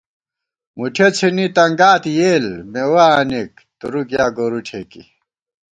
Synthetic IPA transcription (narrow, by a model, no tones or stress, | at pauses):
muʈʰet͡sʰinit̪ɐŋɡaːt̪ijeːlmewaːnik̚ | t̪uɾuɡjaːɡoɾuʈʰeːkḭ